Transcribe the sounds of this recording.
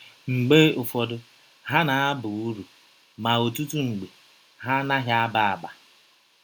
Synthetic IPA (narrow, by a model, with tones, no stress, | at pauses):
ŋ͡m̩˨ɡ͡beː˦ʊ˨fɔ˨dʊ˦ | ɦa˦na˨a˦bʊ˨u˦ɾu˨ | ma˨o˨tu˦tu˦ŋ͡m̩˨ɡ͡be˨ | ɦa˦na˦ɦja˦a˦ba˦a˨ba˨